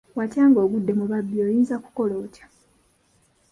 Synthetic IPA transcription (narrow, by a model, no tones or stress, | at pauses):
wacaːŋɡo̞ːɡudːe̞muβabːio̞ːjiːnzaku̥ko̞lo̞ːcḁ